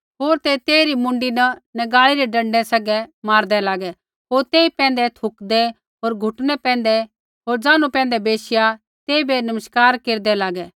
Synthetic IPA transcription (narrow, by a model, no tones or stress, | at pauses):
ɦoːɾt̪et̪eːɾimʊ̃ɳɖinɐnɐɡaːiɾɛɖɐ̃ɳɖɛsɐɡɛmaːɾd̪ɛlaːɡɛ | ɦoːɾt̪eːipɛ̃ːnd̪ɛt̪ʰʊkd̪ɛ | ɦoːɾɡʱʊʈnɛpɛ̃ːnd̪ɛ | ɦoːɾd͡ʒaːnupɛ̃ːnd̪ɛbeːsɪja | t̪eːibenɐməʃkaːɾkeːɾd̪ɛlaːɡɛ